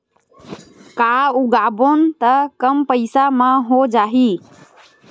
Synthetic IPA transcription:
kauɡabont̪əkəmpəɪsamãɦod͡ʒaːɦi

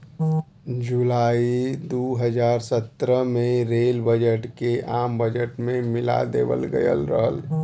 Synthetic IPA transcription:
d͡ʒulaːid̪uɦəd͡ʒaːɾsət̪ɾəmeɾelbəd͡ʒəʈkeʔambəd͡ʒəʈmẽmila̰d̪ḛbə̰lɡə̰jə̰lɾəɦəl

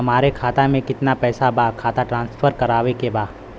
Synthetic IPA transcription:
ɦɐmaːɾekʰaːt̪amẽkɪt̪napɛːsabaːkʰaːt̪aʈɾãːnsfʰəɾkɐɾaːʋekebaː

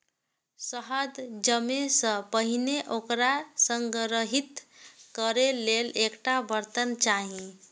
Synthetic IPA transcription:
səɦəd̪d͡ʒəmesə̃pəɦineʔokɾasəŋɡɾəɦit̪kəɾelelekʈabəɾt̪ənt͡ʃaɦĩ

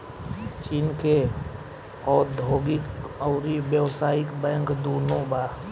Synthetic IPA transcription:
t͡ʃiːnke | ɔːd̪ʱoːɡɪkɔʊɾibjəwsaːɪkbɛ̃ŋkd̪oːnõba

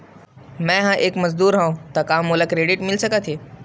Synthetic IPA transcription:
mɛ̃ːɦãːʔeːkmɐzd̪uːɾɦãũt̪ɐkaːmːoːləkɾeːɖɪʈmɪlsɐkat̪ʰeː

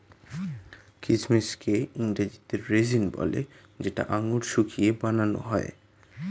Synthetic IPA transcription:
kɾid͡ʑmeskeiŋɾad͡ʑit̪eɾːed͡ʑinbɔ̰lḛ | d͡ʑeʈa̰ʔaŋuɾʃukʰiebanano̰ɦɔe

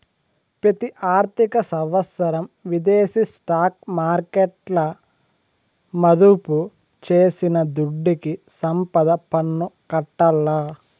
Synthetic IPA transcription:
pɾɐt̪iʔaːɾt̪ikɐsɐʋɐsɐɾɐmʋid̪eːsisʈaːk̚maːɾkeʈlɐ | mɐd̪upu | t͡ʃeːsinɐd̪uɖːikisɐmpɐd̪ɐpɐnːukɐʈːɐlːɐ

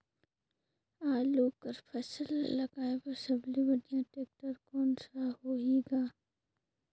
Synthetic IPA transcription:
aːluːkɐɾpʰɐsəlːɐɡaːepɐɾsɐblibɐɖijãʈeːk̚ʈəɾkɔːnsahoːeːɡaː

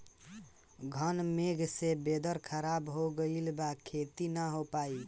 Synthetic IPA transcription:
ɡʱənmeɡʱsebed̪əɾkʰəɾabɦoɡəɪlbakʰet̪inəɦopai

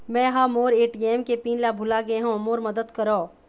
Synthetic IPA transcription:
mɛ̃ːɦamoːɾeːʈiːɛːmkepiːnlabʱʊlaɡɐeɦõmoːɾmɐd̪əd̪kɐɾoː

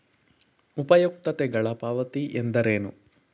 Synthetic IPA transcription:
upɐjuk̚t̪ɐt̪ɛɡɐɭɐpaːʋɐt̪iʔend̪ɐɾeːnṵ

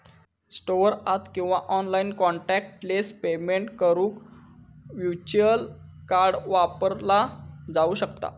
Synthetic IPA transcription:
sʈoəɾat̪kĩw̃ʋaʔɔnlainkɔɳʈæk̚ʈʈlespemeɳʈkəɾũːk | ʋjut͡ɕuəl | kaɾɽʋapəɾlad͡zauːɕəkt̪a̰

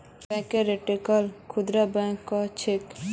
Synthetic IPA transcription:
bɛ̃keɾeʈikalkʰud̪ɾabɛ̃kːɔt͡ʃʰek

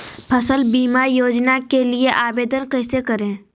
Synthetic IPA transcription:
pʰəsəlbiːmaɾjoːd͡ʒnakelieʔaːbeːd̪ənkɛːsekɐɾẽː

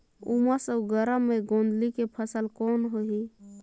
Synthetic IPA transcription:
umasəuɡəɾəmːẽɡõːnd̪likepʰəsəlkoːnɦoɦi

